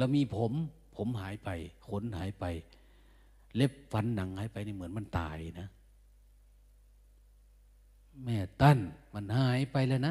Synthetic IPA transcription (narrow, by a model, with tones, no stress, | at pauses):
la˧˨wmiː˧˨pʰo˨˦m | pʰo˨˦mɦaː˨˦jpa˨jkʰo˧˦nɦaː˨˦jpa˨j | le˧˥p̚fa˨˦nːa˨˦ŋhaː˨˦jpa˨jni˧˨mɯ˩˦nma˧˥˨nt̪a̰ː˨˩jna˧˥ | mɛː˧˩t̪a˧˩˨nma˧˨nhaː˨˦jpa˨jlɛː˧˨na˧˥